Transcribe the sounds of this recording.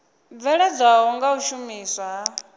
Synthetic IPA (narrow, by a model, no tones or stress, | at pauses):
b̪vɛɺɛd͡zwaɦɔŋɡauʃumiːswa